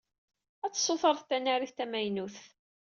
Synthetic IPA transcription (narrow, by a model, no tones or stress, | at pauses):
æt͡sːsˤːoθəɾˤθt̪ːænæɾiθt̪æmæjnuθ